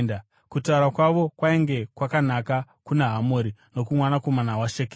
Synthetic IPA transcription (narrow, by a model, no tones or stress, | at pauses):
nda | kutauɾakwaʋo̞kwaeŋɡe̞kwakanaka | kuneɦamoːɾino̞kumwanako̞manawaʃeke